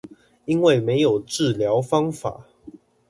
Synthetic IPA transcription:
i˦nwe˥˨ɪme˧˦ɪjo˨˩ʊʈ͡ʂɻ̩˥˨ljɑ˨˦ʊfɑ˦ŋfa̰˨˩˦

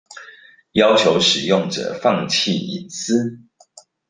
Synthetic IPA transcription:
jɑ˥ʊt͡ɕʰjo˧˥ʊʂɻ̩˨˩jʊ˥˨ŋʈ͡ʂə̰˨˩fɑ˥˧ŋt͡ɕʰi˥˨i˨˥t͡s̩˥

